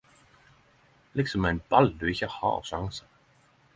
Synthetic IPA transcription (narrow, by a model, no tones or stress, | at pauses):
lɪksɔmɛnbald̪ʉɪçahɑ̰ːsaŋsḁ